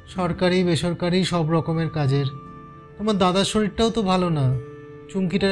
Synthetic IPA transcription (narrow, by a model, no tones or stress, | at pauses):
ʃɔɾkaɾibeʃoɾkaɾiʃɔbɾɔkomeɾkad͡ʑeɾ | t̪omaɾd̪ad̪aʃoɾiʈʈaot̪obʱalona | t͡ɕuŋkiʈa